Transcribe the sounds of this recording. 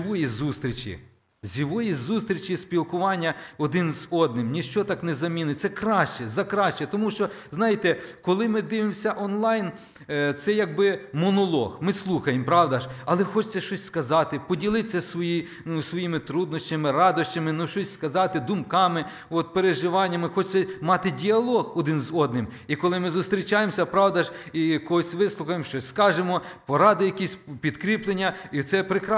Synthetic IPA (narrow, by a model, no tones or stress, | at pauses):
ʋɔjizust̪ɾʲit͡ʃʲḭ | zʲiʋɔjizust̪ɾʲit͡ʃispʲilˠkʊʋɑnʲːɐɔd̪ɪnzɔd̪̚nɪmnʲiʃt͡ʃɔt̪ɑknɛzɐmʲinɪt̪sɛkɾɑʃt͡ʃɛzɐkɾɑʃt͡ʃɛt̪ɔmuʃt͡ʃɔznɑjɪt̪ɛkɔlˠɪmɪd̪ɪʋɪmsʲɐʔɔnlˠɑjn | t̪sɛjɐɡ̚bɪmɔnɔlˠɔ̰xmɪslˠuxɐjempɾɑʋd̪ɐʒɐlˠɛxɔt͡ʃt͡sʲːɐʃt͡ʃɔsʲskɐzɑt̪ɪpɔdʲilˠɪt͡sʲːɐsʋɔji | nʊsʋɔjimɪt̪ɾud̪nɔʃʲt͡ʃʲɐmɪrɑd̪ɔɕt͡ʃʲɐmɪnuʃt͡ʃɔsʲskɐzɑt̪ɪd̪ʊmkɑmɪ | ɔt̪peɾeʒɪʋɑnʲːɐmɪxɔt͡ʃt͡s̪ʲɛmɑt̪ɪdʲiɐlˠɔɣɔd̪ɪnzɔd̪̚nɪmikɔlˠɪmɪzʊst̪ɾʲit͡ʃɑjemsʲɐpɾɑwd̪ɐʒijɐkɔɔsʲʋɪslˠʊxɐjemʃt͡ʃɔsʲskɑʒemɔpɔɾɑd̪ɪjɐkʲisʲpʲid̪kɾʲiplˠenʲːɐit̪sɛpɾɪkɾ